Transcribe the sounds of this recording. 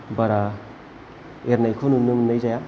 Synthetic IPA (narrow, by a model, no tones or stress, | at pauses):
baɾa | eɾnajkʰonunɯmnajzaja